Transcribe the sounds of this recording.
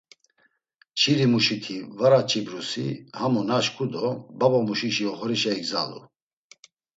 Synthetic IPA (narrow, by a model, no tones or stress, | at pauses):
t͡ʃʰiɾimuʃit̪ʰivaɾat͡ʃʼʰibɾusihamunaʃkʰʼud̪ɔbabɔmuʃiʃiɔχɔɾiʃaiɡza̰lṵ